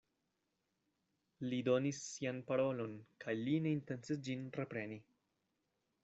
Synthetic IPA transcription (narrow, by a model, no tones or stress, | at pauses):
lido̞nisːianpaɾo̞lo̞nkajline̞int̪e̞nt͡sisd͡ʒinrepɾe̞ni